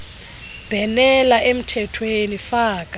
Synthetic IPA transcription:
b̥ʱɛnɛlaʔem̩tʰɛtʰwenifaːkʼa

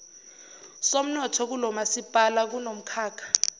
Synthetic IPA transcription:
som̩nɔtʰɔk̬ulɔmasipʼalak̬unom̩kʰaːkʰḁ

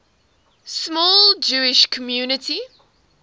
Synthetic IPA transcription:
smɔːld͡ʒuːɪʃkʰəmjuːnɪtʰi

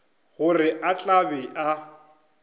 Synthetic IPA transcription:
ɣʊrɪʔat͡ɬʼabɛʔa

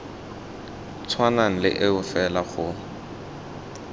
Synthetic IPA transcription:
t͡sʰwanaŋ̩lɪ̰ʔɪʊfɛlaχʊ

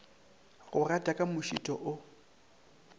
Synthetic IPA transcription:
ɣʊratʼakʼamʊʃḭtʼɔʔʊ

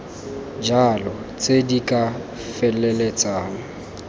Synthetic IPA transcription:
d͡ʒalɔt͡sʼedikʼa | fɛlɛlet͡sʼaːŋ̩

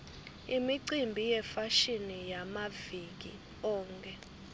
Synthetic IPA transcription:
imiǀimbʱijɛfaʃinijamavik̬ḭ | ɔːŋkʰʼɛ

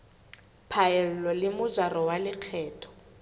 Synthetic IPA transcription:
pʰaɛl̩lɔlɪmʊd͡ʒarɔwalɪq͡χʰɛːtʰɔ̥

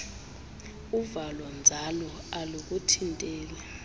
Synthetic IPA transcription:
uvalɔnd͡zʱalɔ | aluk̬ʼutʰintʼɛːla

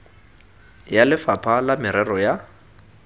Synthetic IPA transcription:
jalɪfapʰalamɪɾɛrɔja

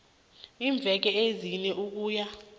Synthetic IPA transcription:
iːɱb̪vʱɛk̬ɛezinɛuk̬uːja

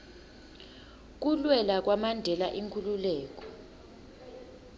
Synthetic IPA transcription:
k̬ulwɛlak̬wamandʱɛlaʔiŋkʰululɛːk̬ʼɔ̥

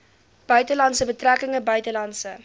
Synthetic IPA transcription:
b̥œɥtəlɐntsəbətrækəŋəbœɥtəlɐntsə

